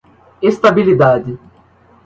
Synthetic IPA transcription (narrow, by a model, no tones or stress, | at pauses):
est̪abilid̪ad̪ɪ